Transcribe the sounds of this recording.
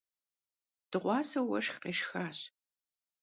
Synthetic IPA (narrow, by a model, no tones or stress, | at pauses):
d̥ɨʁʷɑːsɐwɐʂxqeːʃxaːɕ